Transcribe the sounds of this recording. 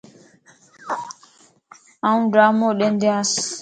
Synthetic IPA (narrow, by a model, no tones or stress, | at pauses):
aũdɾamɔɗɛndias